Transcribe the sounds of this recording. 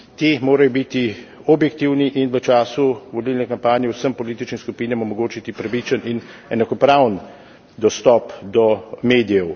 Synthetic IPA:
t̪imoːɾajɔbit̪i | ɔbjɛkt̪iwniʔiːnʋət͡ʃaːsuʋɔlilnɛkampaːnjɛwsəmpɔliːt̪it͡ʃnimskupiːnɛmɔmɔɡoːt͡ʃit̪ipɾaʋit͡ʃənin | ɛnakɔpɾawn | d̪ɔst̪ɔpd̪ɔmeːd̪ijɛw

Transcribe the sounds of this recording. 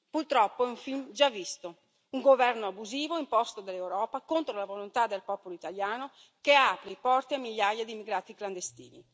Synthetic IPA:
purt̪ɾɔpːoɛuɱfilmd͡ʒavːist̪o | uŋɡovɛrnoabuziːvoimpɔst̪od̪elːewɾɔːpakont̪ɾolavolont̪ad̪elpɔːpoloit̪aljaːno | keaːpɾipɔrt̪iamiljajad̪imːiɡɾaːt̪ikland̪est̪ḭːni

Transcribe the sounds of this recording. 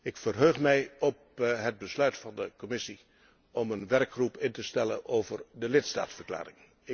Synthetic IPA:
ɪkfərɦøːχmɛjɔp̚ɦəd̚bəslœɥtfɑndəkɔmɪsi | ɔmənʋɛrkχrupɪntəstɛlə̰nowvərdəlɪtsta̰ːtsfərkla̰ːɾɪŋ | ɪ

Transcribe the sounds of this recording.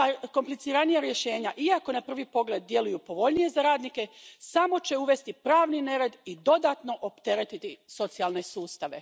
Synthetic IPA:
ako̞mplit̪siɾanijaɾje̞ʃe̞ːɲaʔiako̞napr̩ʋipo̞ɡle̞d̪̚ːje̞lujupo̞ʋo̞ʎnije̞zaɾaːd̪nike̞samo̞t͡ɕe̞uʋe̞st̪ipɾaːʋnine̞ɾed̪id̪o̞d̪at̪no̞ʔopt̪e̞ɾe̞t̪it̪iso̞t̪sijalˠne̞suːst̪aʋe̞

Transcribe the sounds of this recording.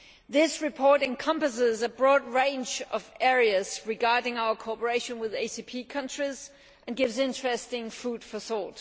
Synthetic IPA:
ðɪsɹɨpʰɔɹɾɨ̃nkʰʌ̃mpəsɪzəbɹɔːd̚ɹẽɪ̃nd͡ʒʌvɛɹiɨz̥ɹɨɡɑɹdɪ̃ŋaʊə˞kʰoɔpə˞eɪʃɨ̃nwɪðeɪsipʰikʰʌ̃nt͡ʃɹ̥iz | ʔɨ̃nɡɪvzɪ̃nt͡ʃɹ̥ɛstɪ̃ŋfud̥fəθɔɹt

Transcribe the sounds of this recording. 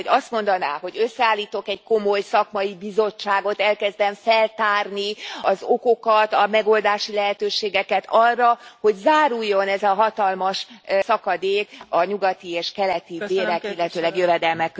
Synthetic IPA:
oɒst̪mo̞nd̪ɒna̰ːho̞ɟø̞sːɛaːlːiːt̪o̞kɛɟko̞mo̞jsɒkmɒibizo̞t͡ʃːaːɡo̞t̪ɛlkɛzd̪ɛɱfɛlt̪aːrniɒzoko̞kɒt̪ɒmɛɡo̞ld̪aːʃilɛɦɛt̪øːʃeːɡɛkɛt̪ʰɒrːɒho̞ɟzaːɾujːo̞nɛzɒɦɒt̪ɒlmɒʃsɒkɒd̪eːkɒɲuɡɒt̪ieːʃkɛlɛt̪ibeːɾɛkilːɛt̪øːlɛɡjøvɛd̪ɛlmɛkː

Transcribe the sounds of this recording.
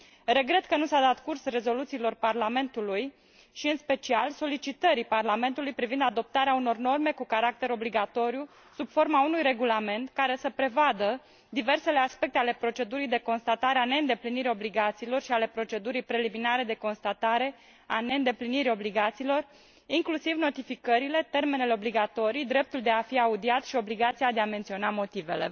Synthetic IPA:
re̞ɡɾe̞t̪kənusad̪at̪kursre̞zo̞lut̪silo̞rparlame̞nt̪uluj | ʃiɨnspe̞t͡ʃialso̞lit͡ʃit̪əɾiparlame̞nt̪ulujpɾivind̪ad̪o̞p̚t̪aɾeauno̞rno̞rme̞kukaɾak̚t̪e̞ɾo̞bliɡat̪o̞ɾju | sub̥fo̞rmaunujreɡulame̞nt̪kaɾe̞səpɾe̞vad̪ə | d̪ive̞rse̞le̞aspe̞kt̪eale̞pɾo̞t͡ʃe̞d̪uɾijd̪e̞ko̞nst̪at̪aɾeane̞ɨnd̪e̞pliniɾio̞bliɡat̪siːlo̞rʃiale̞pɾo̞t͡ʃe̞d̪uɾijpɾe̞liminaɾe̞d̪e̞ko̞nst̪at̪aɾe̞ | ane̞ɨnd̪e̞pliniɾio̞bliɡat̪siːlo̞r | iŋklusivno̞t̪ifikəɾile̞t̪e̞rme̞ne̞leobliɡat̪o̞ɾijd̪ɾe̞p̚t̪uld̪e̞afiaud̪iat̪ʃio̞bliɡat̪sijad̪e̞ament̪sio̞namo̞t̪ive̞̰le̞̰

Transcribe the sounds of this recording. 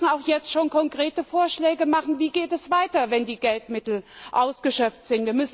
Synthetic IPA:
sn̩aʊxjɛt͡stʃoːnkʰɔnkʁ̥eːtəfoːɐʃlɛːɡəmaχn̩viːɡeːtɛsv̥aɪtɐvɛndiːɡɛltmɪtl̩ʔaʊsɡ̥əʃœp͡ftz̥ɪntviːɐmʏs

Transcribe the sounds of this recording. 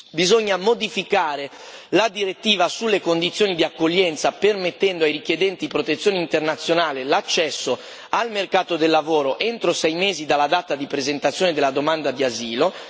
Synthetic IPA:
bizoɲːamod̪ifikaːɾe | lad̪iɾet̪ːiːvasulːekond̪it̪sjoːnid̪iakːoʎːɛnt̪sapermet̪ːɛnd̪oajrikjed̪ɛnt̪ipɾot̪et̪sːjoːneint̪ernat̪sːjonaːlelat͡ʃːɛsːo | almerkaːt̪od̪elːavoːɾoʔent̪ɾosɛjmeːzid̪alːad̪at̪ad̪ipɾezent̪at̪sjoːned̪elːad̪omand̪ad̪iaziːlo

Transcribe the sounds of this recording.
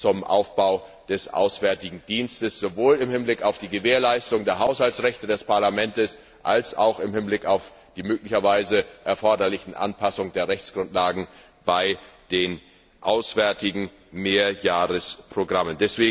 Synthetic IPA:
t͡sʊmʔa̰ʊfb̥aʊ | d̥ɛsʔa̰ʊsv̥ɛɐtɪɡŋ̩diːnstəsz̥ovoːlɪmhɪnblɪkaʊfd̥iːɡəveːɐlaɪstʊŋdeːɐɦaʊshaltsʁɛçtədɛspʰaɐlamɛntəs | ʔalsa̰ʊxɪmhɪnblɪkaʊf | d̥iːmøːklɪçɐvaɪzəʔɛɐfɔɐdɐlɪçn̩ʔa̰npʰasʊŋdeːɐʁɛçt͡sɡ̥ʁʊntlaːɡŋ̩ | b̥aɪd̥eːn | ʔaʊsv̥ɛɐtɪɡŋ̩ | meːɐjaːʁəspʁ̥oɡʁaməndɛsv̥eːŋ̩

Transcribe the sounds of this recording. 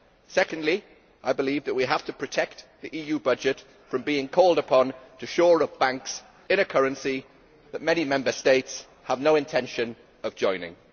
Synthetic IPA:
sɛkə̃ndˡli | ʔaɪbɪliːvðəʔ̚wiɦaftʰəpʰɹ̥ətʰɛk̚tðiʔiːjʉːbʌd͡ʒɪt | fɹə̃mbiɪ̃ŋkʰɔːlˠdəpʰɒ̃ntʰəʃɔːɹəvbãŋks | ɪ̃nəkʰʌɹə̃nsi | ðəʔ̚mɛñimɛ̃mbəsteɪts | həvnoʊɪ̃ntʰɛ̃nʃə̃n | əvd͡ʒɔ̃ɪ̃nɪ̰̃ŋ

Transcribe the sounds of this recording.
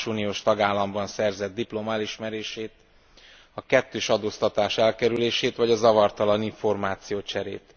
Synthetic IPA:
ʃuːnijoːʃt̪ɒɡaːlːɒmbɒnsɛrzɛd̪dːiplo̞maliʃmɛɾeːʃeːt̪̚ | ɒkɛt̪ːøːʃɒd̪oːst̪ɒt̪aːʃɛlkɛɾyleːʃeːt̪ʋɒɟɒzɒvɒrt̪ɒlɒniɱfo̞rmaːt̪sijoːt͡ʃɛɾḛːt̪

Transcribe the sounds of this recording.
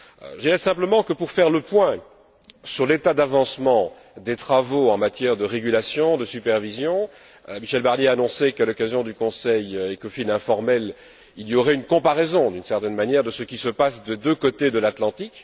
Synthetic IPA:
ʒəd̪iʁɛsɛ̃pləmɑ̃kəpuʁfɛʁləpwɛ̃ | syʁlet̪ad̪avɑ̃smɑ̃ | d̪et̪χavoɑ̃mat̪jɛʁd̪əʁeɡʲylasjɔ̃d̪əsypɛʁvizjɔ̃ | miʃɛlbaʁnjeaːnɔ̃sekalɔkazjɔ̃d̪ykɔ̃sɛjekofilɛ̃fɔʁmɛl | iljɔʁɛynkɔ̃paʁɛzɔ̃d̪ynsɛʁt̪ɛnmanjɛʁd̪əsəkʲisəpasd̪ed̪økot̪ed̪əlat̪lɑ̃t̪ik

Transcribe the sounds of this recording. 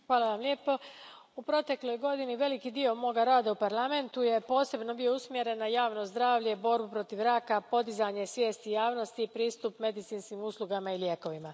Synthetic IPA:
xʋaːlˠaʋamlʲe̞ːpo̞ | upɾo̞t̪e̞klo̞jɡo̞d̪iniʋe̞likid̪io̞mo̞ɡaɾaːd̪aupaɾlˠame̞nt̪uje̞po̞ːse̞bno̞bijo̞usmje̞ɾe̞nːajaːʋno̞zd̪ɾaːʋʎe̞bo̞ɾbupɾo̞t̪iʋɾakapo̞d̪izaɲe̞sʋje̞ːst̪ijaːʋno̞st̪ipɾiːst̪upme̞d̪it̪siːnskimuslˠuɡamailjeko̞ʋima

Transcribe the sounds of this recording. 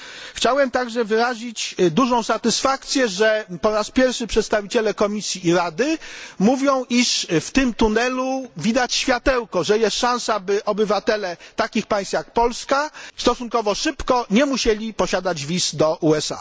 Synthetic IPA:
xt͡ɕawɛmt̪aɡʐɛvɘɾaʑit͡ɕd̪uʐɔ̃w̃sat̪ɘsfakt̪sʲjɛʐɛpɔɾaspʲjɛɾfʂɘpʂɛt̪st̪avʲit͡ɕɛlɛkɔmʲisʲjiːɾad̪ɘmuvʲjɔ̃w̃ʔiʂft̪ɘmt̪unɛluvʲid̪at͡ɕɕfʲjat̪ɛwkɔʐɛjɛst̪ʂãñsabɘʔɔbɘvat̪ɛlɛt̪akʲixpaj̃st̪fʲjak̚pɔlskast̪ɔsuŋkɔvɔʂɘpkɔɲɛmuɕɛlʲipɔɕad̪ad͡ʑvʲisd̪ɔʔuɛsa̰

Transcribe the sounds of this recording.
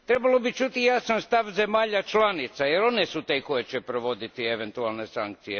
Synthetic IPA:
ɾe̞balo̞bit͡ʃut̪ijasanst̪aʋze̞maːʎat͡ʃlanit̪sajeɾo̞nesut̪eko̞jet͡ʃɛpɾoʋo̞d̪it̪ieʋent̪ualnesaŋk̚t̪sije

